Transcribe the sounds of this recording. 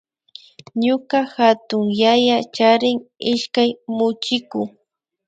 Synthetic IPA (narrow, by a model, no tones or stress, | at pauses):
ɲʊkaxat̪ʊŋjajat͡ʃaɾɪŋɪʃkajmʊt͡ʃɪkʊ